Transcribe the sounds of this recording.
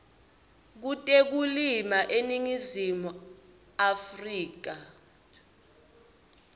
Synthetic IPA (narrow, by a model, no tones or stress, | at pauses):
k̬utʼek̬ulimaʔeniŋizimu | afriːk̬a